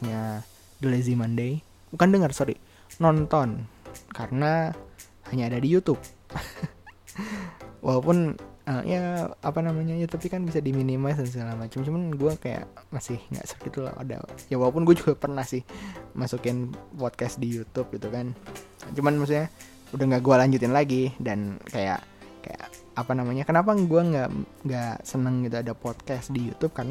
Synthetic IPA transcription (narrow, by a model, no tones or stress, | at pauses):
ɲa | dəlezimandej | bukandəŋərsoɾi | nɔnt̪ɔnkaɾəna | haɲaːdadijut̪ʊp̚ | wʔa̰lawpʊnəḭjʔaapanamaɲajut̪up̚ikanbisadiminimas̬əns̬əɡalamat͡ʃamt͡ʃumanɡuakaja̰ʔmasɪhŋɡa̰ʔsə̥rkit̪ula̰a̰da̰jawalawpʊnɡuad͡ʒuɡapərnahsɪhmasukɪnpɔt̪̚kɛsdijut̪ʊp̚ɡit̪ukan | t͡ʃumanmaksuɲa | udahŋɡaʔɡualaɲd͡ʒʊt̪ɪnlaɡidankaja̰ʔka̰ja̰ʔ | apanamaɲakənapaɡuaŋɡaʔŋɡasənəŋɡit̪uadapɔt̪̚kasdijut̪ʊp̚karəna